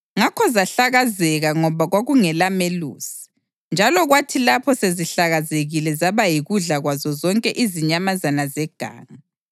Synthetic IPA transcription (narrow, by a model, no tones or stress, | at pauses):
ŋakʰɔzaɬaɣazɛɣaŋɔβaɣwaɣuŋɛlamelṵːsi̥ | nd͡ʒʱalɔɣwatʰilapʰɔseziɬaɣazeɣilɛzaβajiɣuɮaɣwazɔzɔŋkʼɛʔiziɲamazanazɛɡ̥ʱa̰ːŋa